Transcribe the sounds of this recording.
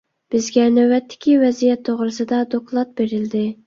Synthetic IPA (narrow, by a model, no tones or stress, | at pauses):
b̥ɪzɡʲɛnæwːɛt̪ʰːɪ̥kʲʰivɛzijɛt̪ʰːoʁɾɨsɨd̪ɑd̪oklˠɑt̪̚beɾɪld̪ɪ